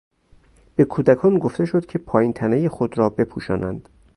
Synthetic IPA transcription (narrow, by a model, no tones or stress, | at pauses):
b̥e̞kʰuːd̪ækʰɒːnɡo̞ft̪e̞ʃod̪̥cʰe̞pʰɒːjint̪ʰænejexod̪ɾɒːbe̞pʰuːʃɒ̰ːnʔæ̰nd̪̥